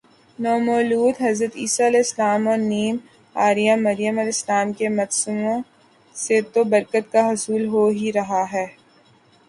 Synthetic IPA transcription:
nɔːmoːluːd̪ɦɐzɾət̪iːsalːɪslaːmɔːɾniːm | aːɾijamɐɾijəmɐlɪslaːmkemɐt̪sumõ | set̪obɐɾkət̪̚kaɦʊsuːlɦoɦiɾɐɦaɦɛː

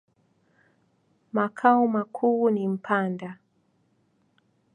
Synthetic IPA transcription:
makʰaumakʰuːnim̩pʰanda

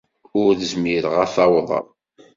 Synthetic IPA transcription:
ʊɾθəzmiɾəʁæθɑwðˤə̰ɾˤ

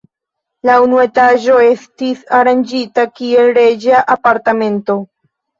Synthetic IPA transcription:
launue̞taʒo̞e̞stisaɾand͡ʒitakie̞lɾe̞d͡ʒaʔapaɾtame̞nto̞

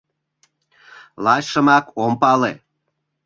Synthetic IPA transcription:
lɑɕʃəmɑkompɑle

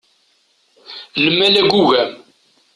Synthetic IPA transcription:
ləmːælæɡʷuʝæ

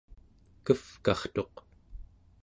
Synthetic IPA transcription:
kəfkɑχt̪o̞q

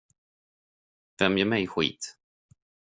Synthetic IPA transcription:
vɛmjœːɾmɛjɧḭːt̪

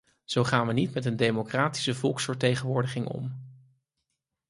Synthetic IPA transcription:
z̥owχaːnʋənitmɛtəndejmokraːti̥səvɔlˠksfəɹtejχənʋʊːɹdəχɪŋɔ̰m

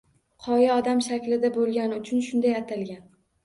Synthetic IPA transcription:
qʰɒjaɒd̪amʃakʲlɪd̪abolˠɡʲanɪʊt͡ʃʰʊnʃʊnd̪ajat̪ʰalɡʲan

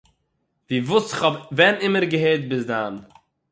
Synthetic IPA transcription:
viːvusɪχɔbvɛnɪməɾɡəɦeːt̚bɪsdan

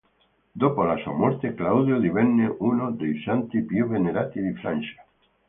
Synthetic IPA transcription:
d̪opolasa̰moɾt̪eklawðjoðiβenːeʔunod̪ejsant̪ipjuβeneɾat̪iðifɾa̰nʲʃḁ

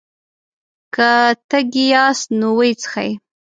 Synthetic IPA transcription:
kat̪əɡijɑsnowəjt͡sə̥xa̰j

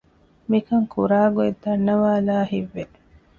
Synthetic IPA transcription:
mikɐŋkʰuɾaːɡued̪ɐnːɐʋaːlaːhiʋːe

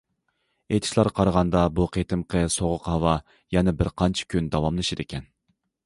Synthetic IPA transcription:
et̪ʰɪ̥ʃlˠɑɾqʰɑɾəʁɑnd̪ɑbuqʰet̪ʰɪmqʰəsoʁʊqhɑwɑ | jɛnɛbɪɾqʰɑnt͡ʃʰi̥kʲʰynd̪ɑwɑmlˠɨʃɪd̪ekʲʰɛn

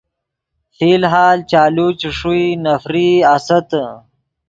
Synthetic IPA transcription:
fiːlɦaːlt͡ʃaːlut͡ʃiʂuinɐfɾiasɐt̪

